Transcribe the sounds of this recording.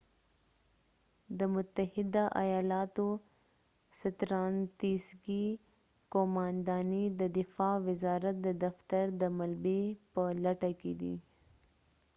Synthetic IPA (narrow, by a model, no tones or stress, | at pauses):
d̪əmʊt̪ahɪd̪aʔajɑlɑt̪o | sat̪ɾɑnt̪isɡi | komɑnd̪ɑnid̪əd̪ɪfɑwɪzɑːɾat̪̚d̪əd̪aft̪aɾd̪əmalbepəlaʈaked̪ḭ